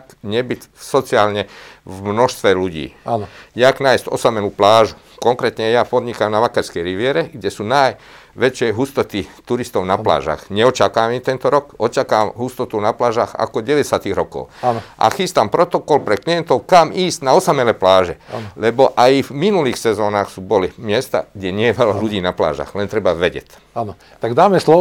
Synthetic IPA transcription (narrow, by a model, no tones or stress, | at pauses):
kɲɛbicsɔt͡siaːlɲɛvmnɔʃst̪ʋɛluɟḭːanjaknajscɔ̰samɛluplaːʒu | kɔŋkɾɛt̪ɲɛjapɔd̪ɲikamnaʋakaɾskɛjɾiʋɪɛɾɛɡɟɛsunaj | ʋɛt͡ʃɪɛjɦust̪ɔt̪it̪uɾist̪ɔʊnapla̰ːʒa̰xɲɛɔt͡ʃakaamit̪ɛnt̪ɔɾɔkɔt͡ʃakaamɦust̪ɔt̪unaplaːʒaxa̰kɔɟɛʋɛɛsat̪iɣɾɔkɔ̰ʊaʔa̰xiːst̪ampɾɔt̪ɔkɔlpɾɛkliɛnt̪ɔʊkamiːstnaɔsamɛlɛplaːʒɛlɛbɔʔajvminuliːxsɛzɔːnaːxsubɔlimɪɛst̪a̰ɡɟɛɲɪɛjɛʋɛlaluɟiːnapla̰ːʒa̰ɣlɛnt̪ɾɛbaʋɛɟɛ̰c | anɔ | t̪aɡd̪aːmɛslɔ